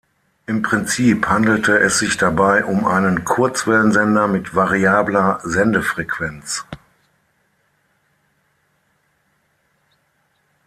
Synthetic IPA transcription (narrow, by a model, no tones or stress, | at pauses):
ʔɪmpʁ̥ɪnt͡siːphandl̩tʰəɛsz̥ɪçd̥abaɪʔʊmʔa̰ɪnənkʰʊɐt͡sv̥ɛlənzɛndɐmɪtv̥aʁiaːblɐzɛndəfʁ̥ɛkv̥ɛnt͡s